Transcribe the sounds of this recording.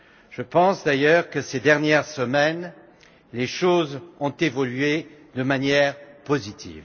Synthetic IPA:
ʒ̥əpɑ̃sd̪ajœʁkəsed̪ɛʁnjɛʁsəmɛn | leʃozɔ̃t̪evɔlɥed̪əmanjɛʁpozit̪ʰḭːv

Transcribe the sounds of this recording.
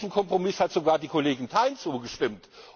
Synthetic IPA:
çn̩kʰɔmpʁ̥omɪshatz̥oɡaːɐdiːkʰoleːɡɪntʰaɪnt͡suːɡəʃtɪmt

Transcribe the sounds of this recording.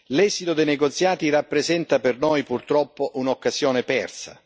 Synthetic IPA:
lɛːzit̪od̪ejneɡot̪sːjaːt̪irapːɾezɛnt̪apernojpurt̪ɾɔpːoʔunokːazjɔːnepɛ̰rsa̰

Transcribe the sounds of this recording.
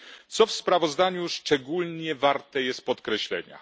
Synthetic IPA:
t̪sɔfspɾavɔzd̪aɲuʂt͡ʂɛɡulɲɛvaɾt̪ɛjɛst̪̚pɔt̪kɾɛɕlɛ̰ɲa̰

